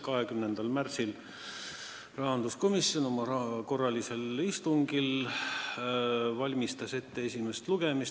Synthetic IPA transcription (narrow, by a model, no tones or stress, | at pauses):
kɑɦekymnend̪̥ɑlmærsil | rɑɦɑnd̪usko̞misːjo̞no̞mɑrɑko̞rːɑlise̞list̪uŋɡ̥il | vɑlʲmist̪ɑse̞t̪ːe̞esʲime̞st̪luɡ̥e̞mis